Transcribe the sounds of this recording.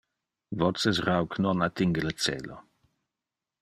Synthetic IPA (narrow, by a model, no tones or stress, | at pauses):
vɔt͡səsrawknɔnat̪ːiŋɡələt͡sḛːlo̰